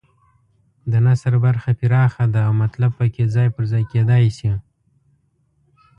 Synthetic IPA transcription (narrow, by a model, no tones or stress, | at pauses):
d̪ənasaɾbaɾxapɪɾɑxad̪aːwmat̪lab̚pəkʰʲezɑjpəɾzɑjked̪ɑjsi